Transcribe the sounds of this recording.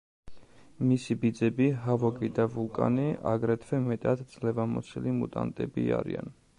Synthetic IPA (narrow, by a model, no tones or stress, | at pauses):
misibid̪zɛbiɦavɔkʼid̪avulˠkʼa̰nia̰ɡɾɛt̪ʰvɛmɛt̪ʼad̪d̪zlɛvamɔt̪sʰilimut̪ʼant̪ʼɛbiaɾḭa̰n